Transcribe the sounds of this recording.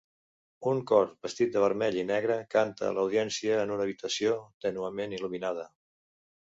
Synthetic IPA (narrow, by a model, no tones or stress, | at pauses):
uŋkɔɾbəst̪it̪̚d̪əβ̞əɾmɛʎinɛɣɾəkant̪ə̰ːləwð̞iɛnsiəːnunəːβit̪əsiot̪ənuəmeniluminað̞ə